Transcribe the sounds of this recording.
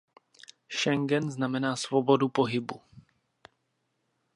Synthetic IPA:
ʃɛŋɡɛnznamɛnaːsvobo̞dupo̞ɦɪbu

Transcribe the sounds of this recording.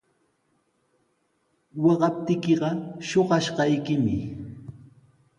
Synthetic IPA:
wɑɢɑp̚t̪ɪkɪɢɑʃoɢɑʃɢɑjkɪmɪ

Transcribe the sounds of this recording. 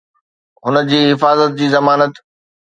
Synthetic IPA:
ɦʊnəd͡ʑiːɦɪfaːzət̪̚d͡ʑiːzɐmaːnət̪

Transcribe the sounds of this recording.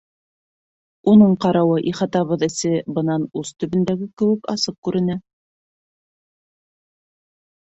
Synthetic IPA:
unɤɴqɑɾɑwɤʔiχɑt̪ɑβɤðɘ̆sɘbɤ̆nɑnʉzt̪ɵ̆βɘ̆nd̪æɡɘkɘ̆wɘ̆kɑ̰sɤp̚kʉɾɘ̆næ

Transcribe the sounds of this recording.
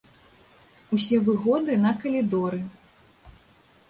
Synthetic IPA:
usʲɛvɨɣɔd̪ɨnɐkɐlʲid̪ɔɾɨ

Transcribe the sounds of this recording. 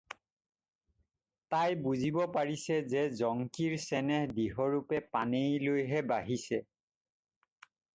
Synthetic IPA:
tajbuzibɔpaɹisɛzɛzɔŋkiɹsɛnɛhdiɦɔɹupɛpanejlojɦɛbaɦisɛ

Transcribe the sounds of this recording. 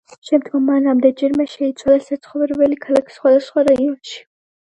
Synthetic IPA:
ʃɛmd̪ɡɔmːanːamd̪ɛd͡ʒɛɾmɛʃɛit̪sʰwalasat̪sʰχɔvɾɛbɛlikʰalˠakʰi̥sχwad̪asχwaɾaiɔnʃi̥

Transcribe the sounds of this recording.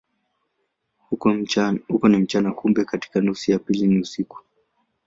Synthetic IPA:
hukɔnim̩t͡ʃanakumbɛkati̥kanusijapiliniusiku̥

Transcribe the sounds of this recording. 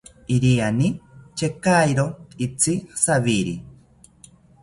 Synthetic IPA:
iɾianit͡ʃekajɾoit͡sisaβiɾi

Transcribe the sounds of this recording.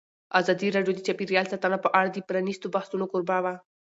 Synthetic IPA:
azɑd̪iɾɑɖjod̪ət͡ʃapiɾjɑlsat̪anapəʔaɽad̪əpɾanist̪obahsunokoɾbawa

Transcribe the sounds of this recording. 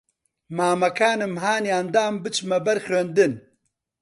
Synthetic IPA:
maːmɐkʰaːnɨmɦaːniɐnd̪aːmbɨt͡ʃmɐbɐɾxɾɐnd̪ɨn

